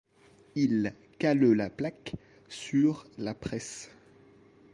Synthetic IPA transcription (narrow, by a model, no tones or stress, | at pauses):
il | kalølaplak | syʁlapχɛs